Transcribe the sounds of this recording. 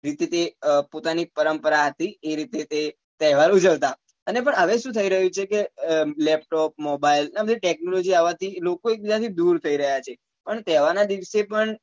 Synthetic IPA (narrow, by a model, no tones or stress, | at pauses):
ɾit̪et̪epot̪anipəɾəmpəɾaɦət̪ieɾit̪et̪e | t̪ɛɦʋaɾud͡ʒəʋt̪a | ənepəɳəʋeʃũt̪ʰəiɾəɦũt͡ʃʰekelɛp̚ʈɔp̚mobailnabəd̪iʈɛk̚nolod͡ʒiaʋat̪ʰilokoek̚bid͡ʒat̪ʰid̪uɾt̪ʰəiɾəɦjat͡ʃʰe | pəɳt̪ɛɦʋanad̪iʋsepəɳ